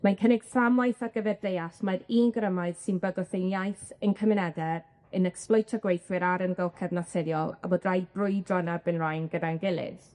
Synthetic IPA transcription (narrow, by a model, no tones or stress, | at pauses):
mankʰənɪɡ̥samajθarɡəvɛrðejasmaɾiːnɡrəmaɨð̥sɪnbəɡɔθejnjajθənkʰəmɪnɛdɛɾ | ənɛksplˠɔjtʰɔɡwejθwɪɾaɾənɡəlˠkʰɛvnasɪðjɔlˠa̰boːdrajdbrʊɨdrɔnabɨnrajnɡədanɡɪlˠɪ̰ð̥